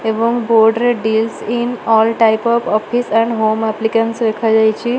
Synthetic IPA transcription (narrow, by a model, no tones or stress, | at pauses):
eʋɔ̃ŋkbɔɾɖɾeɖilsĩnɔlʈajpɔfɔfʰisɛ̃ɳɖɦomaplikə̃nsɾekʰad͡ʒajt͡ʃʰi